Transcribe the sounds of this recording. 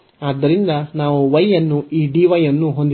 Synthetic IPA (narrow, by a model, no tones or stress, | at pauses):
aːd̪ːɐɾind̪ɐnaːʋuʋɐjɐnːuiːɖiːʋɐjɐnːuɦo̞nd̪i